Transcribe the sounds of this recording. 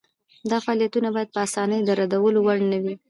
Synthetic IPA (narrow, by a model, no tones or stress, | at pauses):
d̪ɑfaɑlijat̪unabɑjad̪̚pəasɑnəjd̪əɾad̪awəlowaɽnawi